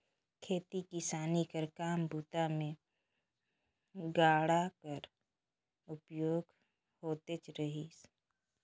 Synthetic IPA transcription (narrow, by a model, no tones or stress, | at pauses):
kʰeːt̪ikɪsaːnikəɾkaːmbuːt̪amẽ | ɡaːɽakəɾ | ʊpjoːɡ | hoːt̪et͡ʃɾəɦiːs